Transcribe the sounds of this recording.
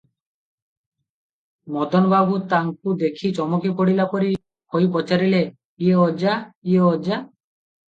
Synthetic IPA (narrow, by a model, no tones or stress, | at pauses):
mɔd̪ɔnbabut̪aŋk̚ud̪ekʰit͡ʃɔmɔkipoɽilapoɾi | kojp̬ɔt͡ʃaɾile | ieɔd͡ʒaieɔd͡ʒa